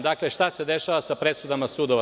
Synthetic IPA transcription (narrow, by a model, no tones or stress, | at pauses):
d̪akle̞ʃt̪ase̞d̪eʃaʋasapɾesud̪amasud̪oʋa